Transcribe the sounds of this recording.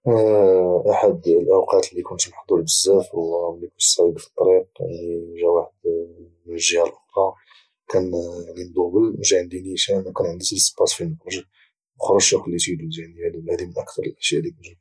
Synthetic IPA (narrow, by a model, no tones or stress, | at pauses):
ʔaħad̪lʔæwqɑt̪lːikʊnt̪maħd̪ˤuɾbəzːæfwmijkʊnt̪sæʕibfi̥t̪ˤːɑɾiq̚niʒæwaħəd̪ | ʒːəhælʔʊxɾˤɑ | kænnind̪ˤubəlʒæʕənd̪iniʃænkænʕənd̪iləspːɑt̪filmʊxɾˤɑʒ | məxɾˤɑʒjæklːit̪id̪ud̪ænijælwlæd̪imənʔəkt̪ɑɾˤəlʔəʃjæʔd̪ikəʒæ